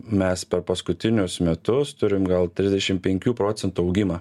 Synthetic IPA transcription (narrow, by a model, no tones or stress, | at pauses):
mʲɛspʲɛɾpɐskʊt̪ʲɪnʲʊsmʲɛt̪ʊst̪ʊɾʲɪmɡɐlˠt̪ʲɾʲɪzd̪ʲɛʃʲɪmpʲɛŋʲkʲuːpɾoːt̪sʲɛnt̪uːɒʊɡʲɪmɑ